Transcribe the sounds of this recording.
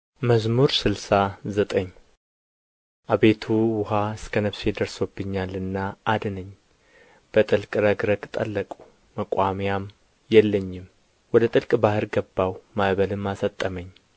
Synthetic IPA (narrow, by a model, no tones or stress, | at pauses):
məzmuɾsɨlsazət̪ʼəɲː | ʔaβe̞t̪ʰuwʊɦaɨskʰənəβsed̪əɾsobːɨɲːalɨnːaːd̪ɨnəɲː | b̥ət̪ʼɨlkʼɨɾəɡɾəɡʼt̪ʼə̰lːəkʼu̥ | məkʷʼamjam | jɛlːəɲːɪm | wɔd̪ət̪ʼɨlkʼbahɨɾɡəbːawmaβəlɨmːasət̪ʼːəməɲː